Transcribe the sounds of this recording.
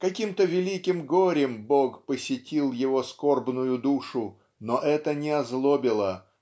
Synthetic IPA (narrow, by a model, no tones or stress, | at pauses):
kɐkʲimt̪əvʲɪlʲikʲɪmɡoɾʲɪmbokpəsʲɪtʲilˠjɪvo̞skorbnʊjʊd̪uʂʊ | noʔɛt̪ənʲɪɐzlˠobʲɪlˠə